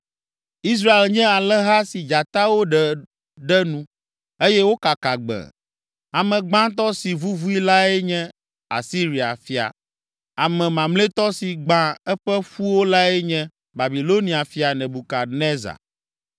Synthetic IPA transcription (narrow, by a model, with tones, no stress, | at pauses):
i˦s̬ɾa˦e˨lɲɛ̃˦a˨lɛ˦ɦa˦si˨d͡ʒa˨t̪a˦wo˦ɖɛ˨ | ɖɛ˦nũ˦ | e˦jɛ˦wo˦ka˨ka˨ɡ͡bɛ̰˨ | a˨mɛ̃˨ɡ͡bã˦t̪ɔ˦si˨vu˦vu˦i˦la˦ɛ˦ɲɛ̃˦ | a̰˨si˦ɾi˨a̰˨fi˦a̰˨ | a˨mɛ̃˨mã˨mle˦t̪ɔ˦si˨ɡ͡bã˦ɛ˦ɸɛ˦ɸu˦wo˦la˦ɛ˦ɲɛ̃˦ | ba˨bi˨lo˦nĩ˨a˨fi˨a˨nɛ̃˨bu˨ka˨nɛ̃˦za̰˨